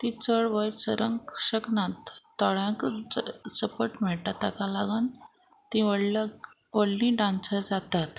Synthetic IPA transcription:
t̪it͡səɭʋəjɾsəɾəŋkɕəknãt̪ː | ɔɭãk | səpəʈm̤ɛɭʈ̪at̪ːakalaɡan | t̪ĩʋəɽ | ʋəɽlĩɖãnsəɾd͡zat̪at̪

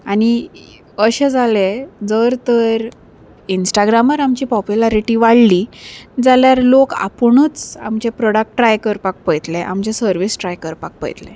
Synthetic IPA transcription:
añi | əɕed͡zaled͡zəɾt̪əɾ | insʈaɡɾaməɾamt͡ɕipɔpjulaɾiʈiʋaɽlːid͡zaljaɾloka̰pɳət͡sa̰mt͡ɕepɾɔɽak̚ʈːɾajkəɾpak̚pəjt̪leʔa̰mt͡ɕesəɾʋisʈɾajkəɾpak̚pə̰jt̪le

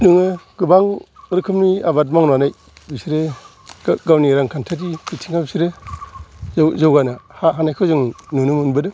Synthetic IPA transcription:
nɯŋɯɡɯbaŋɾɯkʰɯmniabat̬̚maŋnanaj | bisiɾe | ɡɡawniɾaŋkʰantʰadib̥itʰiŋabisiɾe | zzawɡanahaɦanajkʰɯwzɯŋnunɯmunbɯdɯ

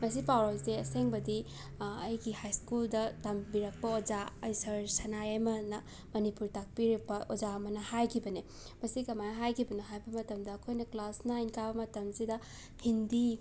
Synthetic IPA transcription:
mɐs̬ipawɾosdeɐseŋbɐdi | ɐjɡihajskuldɐtɐmbiɾɐk̚pɐod͡ʒaɐjsɐɾsɐnajɐjmɐnɐ | mɐnipuɾtak̚piɾipɐʔod͡ʒaɐmɐnɐhajkʰibɐne | mɐsikɐmanɦajkʰibɐnɐɦajbɐmɐtɐmdɐːkʰojnɐklasnɐːjnkabɐmɐtɐmsidɐ | hindi

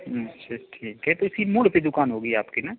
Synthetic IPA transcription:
tːʰaʈʰiːkɦɛt̪oɪsimʊɽped̪ʊkaːnɦoːɡəiaːpkinɛ

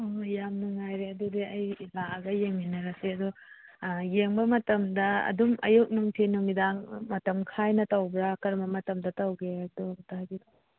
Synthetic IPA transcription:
ojamnɐŋajɾeɐdudiɐjilaɐɡɐjeŋminɐɾɐseɐdu | jeŋbɐmɐtɐmdɐɐ̰dumʔɐ̰juk̚nuŋtʰinumidaŋmɐtɐmkʰajnɐtɐwbɾakɐɾmbɐmɐtɐmdɐtɐwɡed̪ɔtaɡid

